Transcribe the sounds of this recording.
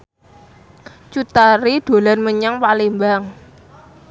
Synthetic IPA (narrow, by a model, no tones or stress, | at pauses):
t͡ʃut̪aɾid̪̥o̤lanməɲaŋpalimbaŋ